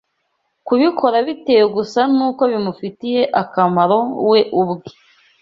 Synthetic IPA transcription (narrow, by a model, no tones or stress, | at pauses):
kuβikʰo̞ɾaβite̞ːjoɡusanuːko̞βimufitije̞ʔakamaɾo̞we̞ʔubɡe